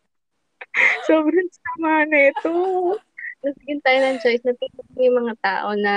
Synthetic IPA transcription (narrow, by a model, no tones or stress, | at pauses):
soːbɾɐŋsɐɐmaːnɐt̪o | nɐsɪɡɪnt̪aːjonɐŋt͡ʃo̞jsnɐp̪it̪ɪknjʊŋmɐŋat̪a̰ːʔo̞nɐ